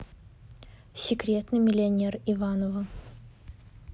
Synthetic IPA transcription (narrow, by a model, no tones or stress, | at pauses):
sʲɪkɾʲet̪nɨmʲɪlʲɪɐnʲerivanovə